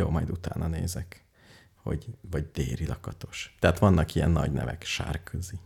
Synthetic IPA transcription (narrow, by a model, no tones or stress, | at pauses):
joːmɒjd̪ut̪aːnʔɒneːzɛk | ho̞̰ɟvɒɟd̪eːɾilɒkɒt̪o̞ʃt̪ɛɦat̪ʋɒnːɒkijɛnːɒɟnɛ̰vɛkʃa̰ːrkʰøzi